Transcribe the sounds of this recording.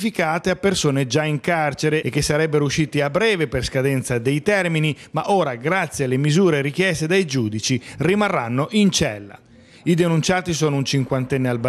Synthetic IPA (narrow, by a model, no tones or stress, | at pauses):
fikaːt̪eapːersoːned͡ʒaiŋkart͡ʃeɾeekːesːaɾɛbːeɾouʃːiːt̪iabːɾɛːveperskad̪ɛnt̪sad̪ejt̪ɛrminimaʔoːɾaɡɾat̪sːjealːemizuːɾeɾikjɛst̪ed̪ejd͡ʒuːd̪it͡ʃirimarːanːoʔint͡ʃɛlːa̰ | id̪enunt͡ʃaːt̪is̬oːnount͡ʃiŋkwant̪ɛnːealb